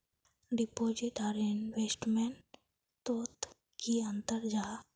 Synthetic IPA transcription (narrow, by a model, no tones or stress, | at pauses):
ɖipoːd͡ʒiʈaɾɪnʋesʈmeɳ | t̪oːt̪ | kiə̃nt̪əɾd͡ʒaː